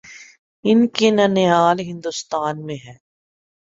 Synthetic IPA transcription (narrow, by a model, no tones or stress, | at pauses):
ɪnkenɐneaːlɦɪ̃nd̪ʊst̪aːnmẽɦɛː